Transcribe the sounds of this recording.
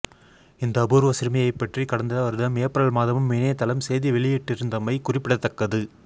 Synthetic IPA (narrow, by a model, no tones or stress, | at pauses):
ɪnd̪ɐːbuɾɯʋɐsɪɾmɐjɐɪpːɛʈrikɐɽɐnd̪ɐɐɾɯðɐmeːpɾɐɭmaːðɐmɯmːɪneːt̪ːɐlɐmsɛjðiʋɛɭɪjɪʈːɪɾɯnd̪ɐmɐɪkʊrɪpːɪɽɐt̪ːɐkːɐðɯ